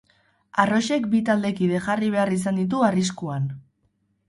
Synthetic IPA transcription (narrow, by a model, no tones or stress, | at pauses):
aro̞ʃe̞kbit̪ald̪e̞kiðe̞xariβ̞e̞aris̬and̪it̪̬uariskuan